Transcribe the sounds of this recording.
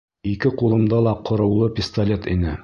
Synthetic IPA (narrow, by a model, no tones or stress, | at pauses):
ikɘqulˠɤ̆md̪ɑlˠɑqʰŏɾɤ̆wlˠɤpʲɪst̪ɐlʲet̪inɘ